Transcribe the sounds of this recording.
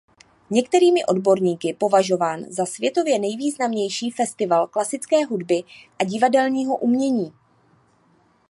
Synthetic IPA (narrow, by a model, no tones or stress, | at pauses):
ɲɛkt̪ɛɾiːmɪʔo̞dbo̞ɾɲiːkɪpo̞vaʒo̞vaːnzasvjɛt̪o̞vjɛnɛjviːznamɲɛjʃiːfɛst̪ɪvalklasɪt͡skɛːɦudbɪʔaɟɪvadɛlɲiːɦo̞ʔumɲɛɲiː